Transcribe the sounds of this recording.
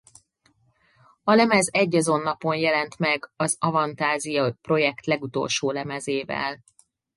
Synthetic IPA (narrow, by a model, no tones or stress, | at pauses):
ɒlɛmɛzɛɟːɒzo̞nːɒpo̞njɛlɛnt̪mɛɡɒzɒvɒnt̪aːzijɒpro̞jɛkt̪lɛɡut̪o̞̰lʃoːlɛmɛzeːvɛ̰l